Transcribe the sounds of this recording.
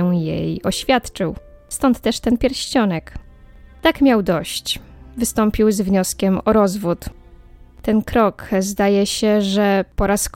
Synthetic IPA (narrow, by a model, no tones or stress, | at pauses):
jḛjiɔɕfʲjat̪t͡ʂɘw | st̪ɔnt̪ːɛʂt̪ɛnpʲjɛɾɕt͡ɕɔnɛk | t̪akmʲjawd̪ɔɕt͡ɕvɘst̪ɔmpʲiwzvɲɔskʲɛmɔɾɔzvut̪ | t̪ɛnkɾɔkzd̪ajɛɕɛʐɛpɔɾask